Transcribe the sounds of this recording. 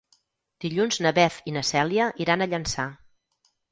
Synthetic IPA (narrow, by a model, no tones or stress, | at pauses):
d̪̥iʎunznəβɛfinəsɛliəʔiɾanəʎənsa